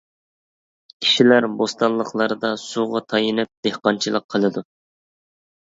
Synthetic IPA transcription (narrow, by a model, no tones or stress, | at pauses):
kʲʰi̥ʃilæɾbost̪ɑnlˠəqlˠɑɾd̪ɑsuʁɑt̪ʰɑjinɨp̚d̪̥ehqɑnt͡ʃʰilˠəqʰːəlˠɨd̪u